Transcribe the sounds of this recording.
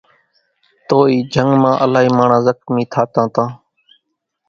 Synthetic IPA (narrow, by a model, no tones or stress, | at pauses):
t̪oːiːd͡ʒʱəŋɡmãːʔəlaːɦiːmaːɳãːzəkmĩːt̪ʰaːt̪ãːt̪ãː